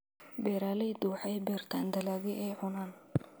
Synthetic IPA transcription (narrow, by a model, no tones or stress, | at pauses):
bɛːɾaːlɛjd̪uːħɛjbɛːrt̪ʰaːnd̪ɐlaːɣɪʔɛːʕʊnaːn